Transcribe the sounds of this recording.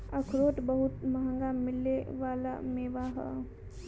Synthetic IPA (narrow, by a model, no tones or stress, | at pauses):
əkʰɾoːʈ̪bɐɦʊt̪mɐɦə̃ŋɡammɪlːeʋaːla̰meːʋaɦɛ̰